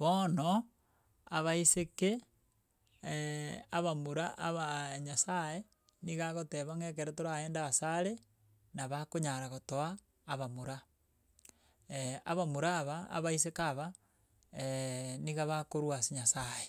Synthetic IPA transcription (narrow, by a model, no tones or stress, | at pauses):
βono | a̰βaiseke | aβamuɾaʔaβaɲasae | niɣaɣoteβaŋek̬eɾetoɾaeːndaːsaɾe | naβakoɲaɾaɣotoaː | βamuɾa | ea̰βamuɾaːβa̰ːβais̬ekaβa | eniɣaβakoɾwasiɲasae